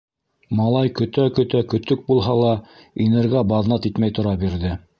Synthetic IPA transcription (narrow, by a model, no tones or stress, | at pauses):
mɑlˠɑjkɵ̆t̪ækɵ̆t̪ækɵ̆t̪ɵk̚bulˠɦɑlˠɑinɘ̆ɾɡæbɑðnɑt̪it̪mæjt̪ŏɾɑbiɾðɘ